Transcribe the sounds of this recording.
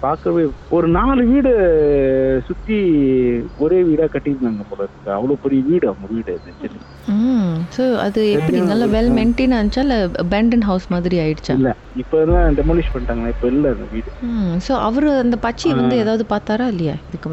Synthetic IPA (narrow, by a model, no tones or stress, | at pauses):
paːɾkɯɾɐpoːjɔɾɯnaːlɯʋiːɽɯ | sʊt̪ːi | ɔɾeːʋiːɽaːkɐʈːɪɾnaːŋɡɐpoːlɐɪɾɯkːɯɐʋɐɭoːpːɛɾɪjɐʋiːɽɯɐʋɐŋɡɐʋiːɽɐðɯt͡ʃːɛlːi | msoːɐ̰ðɯɛpːɐɽɪnaːlːɐʋɛlmɛɳʈeːnɐnt͡ʃːaːlɐbɛɳɖɐnɦɐʊsmaːðɪɾiaːjɪɽɯt͡ʃːãɪlːɐ | ɪpːoːnlãːɖɛmoːlɪʂpɐɳʈaːŋɡɐlãːɪpːoɪlːɐɐnd̪ɐʋiːɽɯsoːʔɐʋɐɾɐnd̪ɐpɐt͡ʃːiʋɐnd̪ɯeːðaːʋɐðɯpaːɾt̪aːɾaːɪlːɐja̰ːɪðɯkːɯm